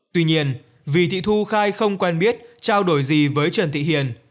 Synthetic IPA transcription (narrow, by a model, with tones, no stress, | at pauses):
t̪wi˧ɲi˧ən | vi˨˩t̪ʰḭ˧˨t̪ʰu˧xaː˧jxə˧wŋ͡mkwɛ˧nɓi˦˥ət̚t͡ɕaː˧wɗo˧˩jzi˨˩vəː˨˦jt͡ɕə˨˩nt̪ḭ˧˨hḭ˨˩ən